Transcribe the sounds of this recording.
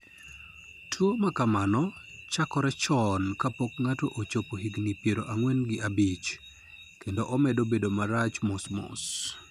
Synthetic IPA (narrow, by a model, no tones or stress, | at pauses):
tʰwomakamanɔt͡ʃakɔɾɛt͡ʃɔnkapokŋatoʔot͡ʃopoɦiɡnipjeɾoʔaŋwɛnɡɪʔabit͡ʃ | kendoʔɔmɛdobedomaɾat͡ʃmosmo̰s